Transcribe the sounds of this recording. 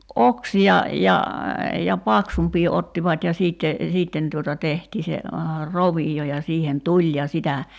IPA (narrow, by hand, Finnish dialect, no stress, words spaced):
ʔoksiɑ jɑ jɑ pɑksumpˑiː otːiʋɑtʲ jɑ siˑtːe siˑtːen tuotɑ tehtiː tehtiː se roʋio jɑ siːhen tulʲ jɑ sitæ